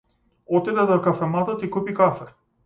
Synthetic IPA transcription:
ɔt̪id̪ɛd̪ɔkafɛmat̪ɔt̪ikupikafɛ

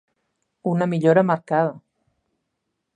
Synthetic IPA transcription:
unamiʎoɾamaɾkað̞ɐ

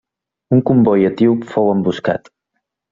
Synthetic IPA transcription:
uŋkumbɔjət̪iwfɔwəmbuska̰t̪

